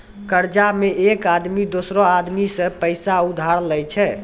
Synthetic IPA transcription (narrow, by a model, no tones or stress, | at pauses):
kəɾd͡ʒameekad̪mid̪osɾɔad̪misə̃pəjsaud̪ʱaɾlɛjt͡ʃʰɛ